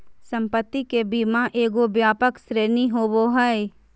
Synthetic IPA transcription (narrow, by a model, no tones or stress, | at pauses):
sə̃mpət̪ːikebiːmãʔeːɡobjaːpəksɾeːniɦoːboɦəe